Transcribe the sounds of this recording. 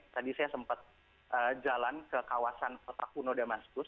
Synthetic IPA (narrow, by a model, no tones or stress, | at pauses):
t̪adisajasəmpət̪̚ | ʔəd͡ʒalankəkawasanpot̪akunodamaskʊs